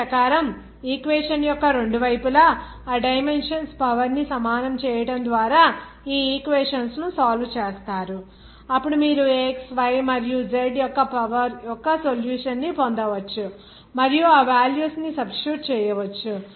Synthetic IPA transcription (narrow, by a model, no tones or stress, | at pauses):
pɐkaːɾɐm | iːkʋeːʂɐnjɔkːɐɾe̞ɳɖuʋɐjpulɐː | ɖɐjme̞nʂɐnspɐʋɐɾnisɐmaːnɐmt͡ʃɛːjɐʈɐnd̪ʋaːɾaː | iːiːkʋeːʂɐnsnusaːlut͡ʃɛːst̪aːɾu | ɐpːuɽumiːɾueːksʋɐjmɐɾijud͡ʒeɖjɔkːɐpɐʋɐɾjɔkːɐsoljuːʂɐnːipond̪ɐʋɐt͡ʃːu | mɐɾijuaːʋaːljuːsnisɐbsɾuːʈt͡ʃɛːjɐʋɐt͡ʃːu